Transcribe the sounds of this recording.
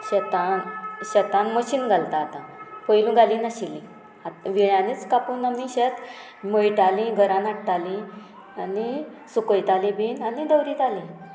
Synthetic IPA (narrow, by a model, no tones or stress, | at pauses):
ɕet̪anɕət̪ãnməɕiːnɡʱalt̪aːt̪ãpəjlũɡʱalĩnaɕilĩ | aʋiɭjãnit͡skapuːnamĩɕet̪ | məjʈalĩɡʱəɾãnaʈʈ̪alĩ | ani | sukəjt̪alĩbʱiːnanid̪əwɾiːt̪alĩ